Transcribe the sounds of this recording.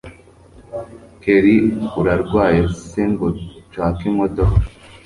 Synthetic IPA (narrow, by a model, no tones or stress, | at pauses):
keɾiuɾaɾɡwaːjeseŋɡot͡ʃwaːkimotokɾa